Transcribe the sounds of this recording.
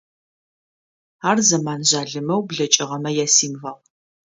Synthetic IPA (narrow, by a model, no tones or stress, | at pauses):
aːrzɐmaːnʑaːɮɨmɐwbɮɐt͡ʃʼɪʁɐmɐjaːsiːmvɐʁ